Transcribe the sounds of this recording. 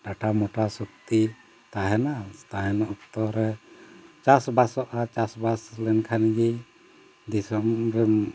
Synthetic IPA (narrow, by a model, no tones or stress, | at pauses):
ɖaʈamɔʈasukt̪i | t̪aɦɛnat̪aɦɛnɔʔɔkt̪ɔɾɛ | t͡ʃasbasɔʔat͡ʃasbaslɛnkʰanɡi | d̪isɔmɾɛm